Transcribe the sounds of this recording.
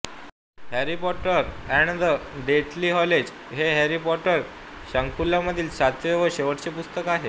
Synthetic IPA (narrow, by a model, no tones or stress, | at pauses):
hæɾipɔʈəɾɛɳd̪əɖ̪eʈliːɦɔled͡ʑ | ɦeɦɛɾipɔʈəɾ | ɕaŋkulːjaməd̪ʱiːlsat̪ʰjeʋəɕeʋəʈt͡sepust̪əkaɦe